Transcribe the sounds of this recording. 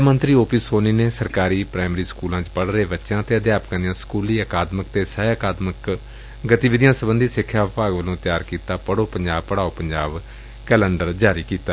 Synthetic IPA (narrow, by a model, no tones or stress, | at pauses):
mə̃nt̪ɾiːoːpiːsoːniːneːsəɾkaːɾiːpɾaːmɾiːskuːlãːt͡ʃpəɽɾeːbətːʃãːt̪eːəd̪jaːpkãnd̪ɪjãːskuːliːəkaːd̪məkt̪eːsɛːəkaːd̪mək | ɡət̪iːʋɪd̪ɪjãːsəbənd̪iːsɪkʰːjaːʋɪpaːɡʋəlõːt̪ɪjaːɾkiːt̪aːpəɽoːpəɲd͡ʒaːbpəɽaːoːpəɲd͡ʒaːb | kɛːlə̃ɳɖəɾd͡ʒaːɾiːkiːt̪aː